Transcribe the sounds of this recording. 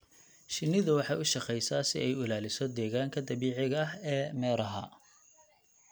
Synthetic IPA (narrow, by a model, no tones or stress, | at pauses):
ʃɪnːɪðʊwɑħɑjʊʃɑqɛjsasɪ̰ʔɛjʊlaːlɪsɔd̪ɛːɣaːŋkʰɐd̪ɐβiːʕɪɣɐɐɦɛːmɛːɾɐɦɐ̰